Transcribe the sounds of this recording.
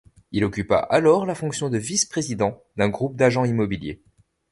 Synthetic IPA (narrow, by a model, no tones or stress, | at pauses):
ilɔkʲypa̰ʔalɔʁlafɔ̃ksjɔ̃d̪əvispχezid̪ɑ̃d̪ɛ̃ɡʁup̚d̪aʒɑ̃imɔbiljḛ